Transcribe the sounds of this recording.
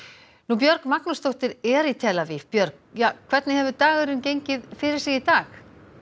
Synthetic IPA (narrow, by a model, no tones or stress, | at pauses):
nupjœɾkmaknast̪owht̪ɪɾɛɾit̪ʰɛːlavɪfpjœɾk | jaːkʰvɛrt̪nɪɦɛvʏt̪aːɣɪɾʏmcejɲcɪðfɪɾɪɾ̥sɪːɣit̪aːx